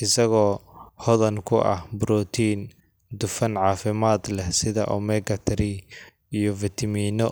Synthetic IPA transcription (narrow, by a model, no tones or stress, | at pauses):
ʔɪsɐɣɔːhɔðɐnkʰʊʔɐ̰hbʊɾɔːt̪ʰiːn | d̪ʊfɐnʕɑːfɪmaːd̪lɛhsɪðɐʔɔmɛɡɐt̪ʰɛɾi | ijɔvɪt̪ʰɐmiːnɔ